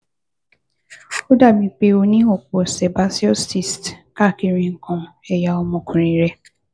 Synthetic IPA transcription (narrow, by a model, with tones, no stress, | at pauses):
o˦da˦˨mĩ˨k͡pe˦o˦nĩ˦o˨kɔ˨sɛ˨ba˦si˦ɔ˦sti˨stka˦˨ki˨ɾĩ˨ŋ̩˨kɔ̃˨ɛ˨ja˨ɔ˨mɔ̃˨kʰũ˨ɾi˨ɾe˦